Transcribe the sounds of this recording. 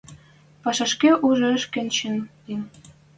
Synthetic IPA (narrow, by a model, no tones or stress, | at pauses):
pɑʃɑʃkeʔuʒŏəʃkĕnt͡ɕin | in